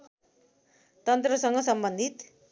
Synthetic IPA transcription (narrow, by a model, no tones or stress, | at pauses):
t̪ʌnt̪rʌsʌŋɡʌsʌmbʌnd̪it̪